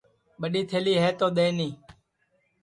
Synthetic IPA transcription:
ɓəɗiːt̪ʰeːliːɦɛːt̪oːɗ̪eːnĩː

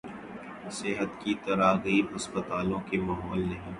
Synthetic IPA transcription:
sɪɦət̪kit̪ɐɾaːɡɐiɦɐspət̪aːlõkemaːɦɔːlnɐɦĩː

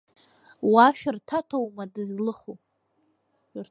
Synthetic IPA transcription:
waʃᶣɪrtʰatʰowmadɨzlɨχo | r

